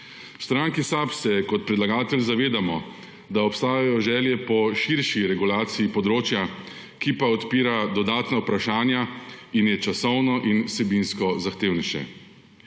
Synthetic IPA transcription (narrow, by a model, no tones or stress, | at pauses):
st̪ɾaŋkisapsɛkɔt̪̚pɾɛd̪laɡaːt̪ɛlzaʋeːd̪amɔ | d̪aɔpst̪aːjajɔʒɛːljɛpɔʃiɾʃiɾɛɡulaːt̪siːpɔd̪ɾoːt͡ʃja | kipaɔt̪piːɾad̪ɔd̪aːt̪nawpɾaʃaːnjainjɛt͡ʃasɔwnɔʔinwsɛbinskɔzaxt̪eːwnɛʃɛ̰